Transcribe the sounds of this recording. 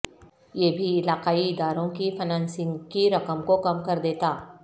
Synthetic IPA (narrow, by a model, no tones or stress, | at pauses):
jeːbʱiɪlaːqaːiɪd̪aːɾõkifʰɐnãːnsɪ̃ŋɡkiɾɐkəmkokɐmkɐɾd̪eːt̪aː